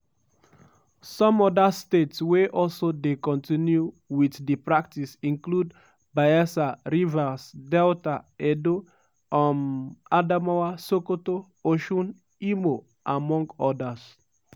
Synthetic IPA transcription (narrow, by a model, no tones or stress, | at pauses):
sɔ̃mɔdastetsweʔɔlsodekɔ̃ntĩnju | wiθdipɹak̚tisĩnklud | baɛsaɹivasdɛltaɛdo | ãnadamawasokoto | oʃũn | imo | ʔãmɔ̃ŋɡɔdas